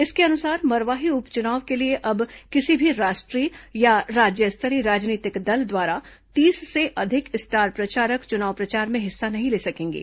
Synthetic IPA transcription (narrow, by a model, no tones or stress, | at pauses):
ɪskeɐnʊsaːɾmɐɾʋaːɦiʊpt͡ʃʊnaːʋkelieʔɐbkɪsibʱiɾaːʃʈɾijaɾaːd͡ʒjəst̪ʰəɾiɾaːd͡ʒniːt̪ɪkd̪ɐld̪ʋaːɾa | t̪iːsseʔɐd̪ʱɪkɪst̪ʰaːɾpɾɐt͡ʃaːɾəkt͡ʃʊnaːʋpɾɐt͡ʃaːɾmẽɦɪsːanɐɦĩleːsɐkẽːŋɡḭː